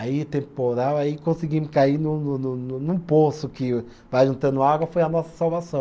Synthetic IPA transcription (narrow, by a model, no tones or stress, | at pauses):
ait̪ẽmpoɾawaikõsiɡimʊskainʊ̃nʊnnʊ̃nũposʊkɪ | vajʒũnt̪ɐ̃nd̪ʊaɡwɐfojɐnɔsɐ̥sawvasɐ̃w̃